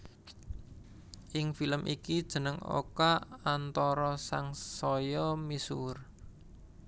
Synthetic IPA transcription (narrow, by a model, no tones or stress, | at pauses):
ʔɪŋfiləmʔḭkid̥ʒ̥ə̤nəŋo̰kaant̪ɔɾɔsaŋsɔjɔmisur